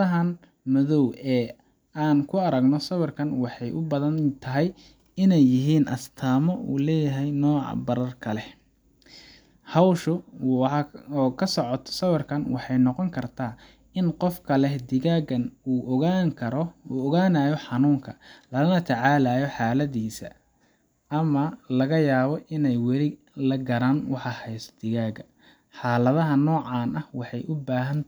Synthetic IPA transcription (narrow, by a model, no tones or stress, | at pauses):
ɐɦɐn | mɐðɔwɛː | aːnkʰʊɐɾɐɡnɔsɐwɐrkʰɐnwɑħɑjʔʊbɐðɐnt̪ʰɐɦɛj | ɪnɛjːɪɦiːnʔɐst̪ʰaːmɔuːlɛːjɐɦɛjnɔːʕɑ̰bɐɾɐrkʰɐlɛ | hɑwʃʊ | kʰɐsɔʕɔt̪ʰɔ̥sɐwɐrkʰɐnwɑħɑjnɔqɔŋkʰɐrt̪ʰaː | ɪnqɔfkʰɐlɛd̪ɪɣaːɡɐnuːʔaŋkʰɐɾɔuːɔɣaːnaːjɔħɑnuːŋkʰɐlɐlɐnɐt̪ʰɐʕaːlaːjɔħɑːlɐðiːsɐ | ʔɐmɐlɐɣɐjaːβɔʔɪnɛjwɛlɪ | lɐɡɐɾaːnwɑħɑhɛjsd̪̥ɪɣaːɡɐ | ħɑːlɐðɐɦɐnɔːʕɑːnʔɐhwɑħɑjʊbaːɦɐnt̪